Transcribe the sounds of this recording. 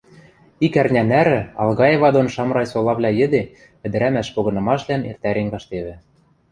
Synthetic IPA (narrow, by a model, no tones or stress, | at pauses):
ikærnʲænæɾɘ̆ɑlˠɣɑjeβɑd̪onʃɑmrɑjsolˠɑβlʲɑjɘ̆d̪e | ɘ̆d̪ɘ̆ɾæmæʃpoɣɤ̆nɤ̆mɑʃlænḛrt̪æɾeŋɡɑʃt̪eβɘ̆